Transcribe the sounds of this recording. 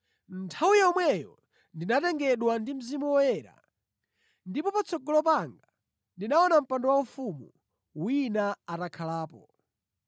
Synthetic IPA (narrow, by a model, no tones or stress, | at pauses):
ntʰawujɛɔmwɛjɔ̰ | ndinatɛŋɡɛɗwandim̩zimuwɔjɛːɾa̰ | ndipɔpat͡sʰɔɡɔlɔpaŋɡa | ndinaɔnam̩pandɔwaufumu | winaatakʰalaːpɔ